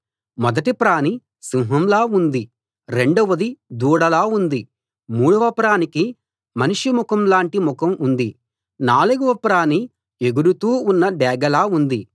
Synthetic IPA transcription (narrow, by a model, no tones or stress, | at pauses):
mɔd̪ɐʈipɾaːni | simɦɐmlaːund̪i | ɾe̞ɳɖuʋɐd̪id̪uːɽɐlaːund̪i | muːɽuʋɐpɾaːniki | mɐniʂumukɐmlaːɳʈimukɐmund̪i | naːluɡuʋɐpɾaːni | eɡuɾut̪uːunːɐɖɛːɡɐlaːund̪i